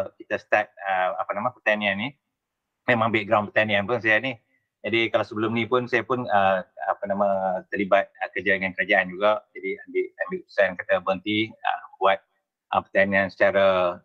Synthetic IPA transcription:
kit̪asə̥t̪at̪̚əapənamãpət̪aniani | memãŋãmbɪʔɡɾawnpərt̪anĩanpʊnsajani | d͡ʒadikalawsəbəlʊmnĩpʊnsajapʊnəa̰pənamãt̪əlibat̪̚əkərd͡ʒadəŋankəɾad͡ʒaʔand͡ʒuɡaʔd͡ʒadiambɪʔambɪʔut̪u̥sankat̪abənt̪iə̰buat̪̚ | ʔə̰pərt̪aniansə̥t͡ʃaɾa

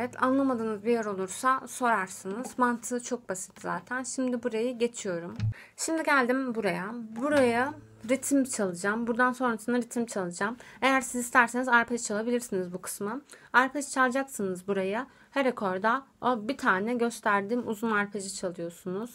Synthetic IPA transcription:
evɛt̪ʰa̰nlˠamad̪ɯːnɯzbijeɾo̞lˠuɾsaso̞ɾaɾsɯnɯz̥mant̪ʰɯːt͡ʃʰo̞k̚basit̪ʰːiza̰ːt̪ʰænʃimd̪ibuɾajɯɟe̞t͡ʃʰijo̞ɾum | ʃimd̪iɟælʲd̪imbuɾajabuɾaja | ɾit̪ʰimt͡ʃʰalˠɯd͡ʒambuɾd̪anso̞nɾasɯnaɾit̪ʰimt͡ʃʰalˠɯd͡ʒame̞jæɾsizist̪ʰæɾse̞nizaɾpʰɛd͡ʒt͡ʃʰalˠabilʲiɾsinizbukʰɯ̥smɯaɾpʰat͡ʃt͡ʃʰalˠd͡ʒaksɯnɯzbuɾajɯ | hɛɾekʰo̞ɾd̪aobit̪ʰaːnɛɟø̞st̪ʰæɾd̪iːmuzunaɾpʰed͡ʒit͡ʃʰalˠɯjo̞sunuz̥

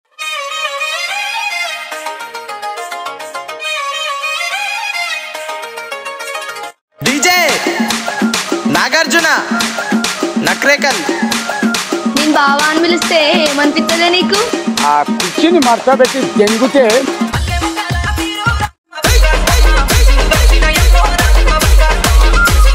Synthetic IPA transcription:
ɖiːd͡ʒej | naːɡɐɾd͡ʒuna | nɐkɾeːkɐl | neːnubaːʋaːnmilist̪eːeːmɐnipit̪ːɐleːniːkuaːpit͡ʃːinimɐɾt͡ʃɐbeʈːit̪eŋɡut̪eː

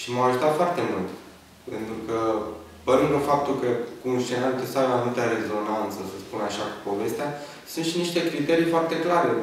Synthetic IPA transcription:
ʃimaaʒut̪at̪foart̪e̞mult̪ | pe̞nt̪ɾukə | pəɾɨnd̪ləfap̚t̪ulkəkunst͡ʃeɾalk̪əsaemanut̪aɾe̞zo̞nant̪səsəspunaʃau̥po̞ve̞st̪ea | sɨnt̪ʃiniʃt̪e̞kɾit̪e̞ɾijfoart̪e̞klaɾe

